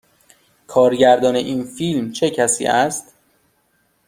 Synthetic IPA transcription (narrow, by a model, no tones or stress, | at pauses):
kʰɒːɾɟæɾd̪ɒːne̞ʔiːnfiːlmt͡ʃʰe̞cʰæsḭːʔæst̪